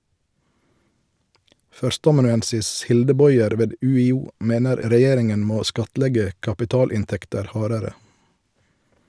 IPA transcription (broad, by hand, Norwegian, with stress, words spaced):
ˈfœɾstəɑmɑnʉˌɛnsɪs ˈhɪldə ˈbɔʏɛɾ ˈʋeːd ˌʉːɪˈuː ˈmeːnəɾ ɾəˈjeːɾɪŋən ˈmoː ˈskɑtˌlɛɡə kɑpɪˈtɑːlɪnˌtɛktəɾ ˈhɑːɾəɾə